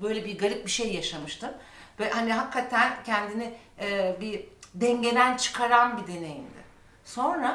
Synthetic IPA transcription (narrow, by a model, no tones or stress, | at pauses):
bø̞jlʲebiɡaɾɯp̚biʃejːaʃamɯʃt̪ʰɯmvɛhaniɦakʰːat̪ʰæncʰɛnd̪ini | ɛːbid̪ɛɲɟe̞d̪ænt͡ʃʰɯ̥kʰaɾanbid̪e̞ne̞jḭmd̪ɪ̰ | so̞nɾa